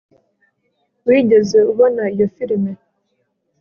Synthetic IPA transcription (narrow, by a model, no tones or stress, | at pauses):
widəzəβɔnajɔfiɾimɛ